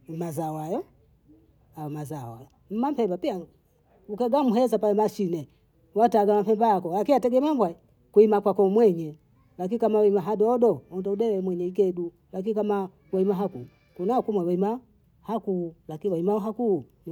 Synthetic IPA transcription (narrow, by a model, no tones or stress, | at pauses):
mazawajɔ | ajɔmazawa̰jɔ | m̩mampɛmbapia | ukaɡamuɦɛzapalɛmaʃinɛ | wataɡamam̩pɛmbaakɔlakinatɛɡɛmambwa | kuimakwakɔmwɛɲɛ | lak̬inikamawaimaɦadɔdɔɔndɔudɛwɛmwɛɲɛik̬ɛdu | lak̬iikama | waimaɦaku | kunakumwɛwaima | hakulakiniwaimaɦaku | n